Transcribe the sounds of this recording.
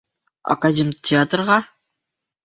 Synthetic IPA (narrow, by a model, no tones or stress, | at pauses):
a̰kadʲemʲtʲʰeat̪rʁɑ